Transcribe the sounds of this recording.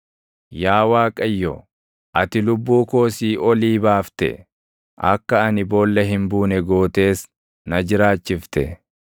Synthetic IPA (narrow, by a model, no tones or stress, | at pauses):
jaːwaːkʼɐjːɔ̰ | ʔɐt̪ɪlʊbːuːko̞ːsiːʔɔliːbaːft̪ɛ̰ | ʔɐkːɐɐnɪboːlːɐɦɪmbuːnɛɡoːt̪e̞ːs | nɐd͡ʒɪɾaːt͡ʃːɪft̪ɛ̰